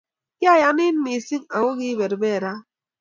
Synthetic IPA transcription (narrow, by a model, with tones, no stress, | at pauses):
ka˦˨ja˦ni˦n̩˦mi˨si˦ŋa˨wo˦ɣi˦be˨ɾbe˦˨ɾa˦